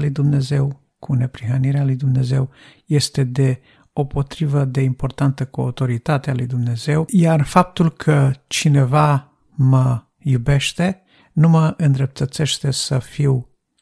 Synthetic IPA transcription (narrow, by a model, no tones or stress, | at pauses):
lujd̪umne̞ze̞w | kʰune̞pɾiɦəniɾealujd̪umne̞ze̞wje̞st̪e̞d̪e̞ | o̞po̞t̪ɾivəd̪e̞impo̞rt̪ant̪əkua̰wt̪o̞ɾit̪at̪ealujd̪umne̞ze̞wjarfap̚t̪ulkʰət͡ʃine̞va | mə | jube̞ʃt̪e̞ | numəʔɨnd̪ɾe̞p̚t̪ət̪se̞ʃt̪e̞səfiw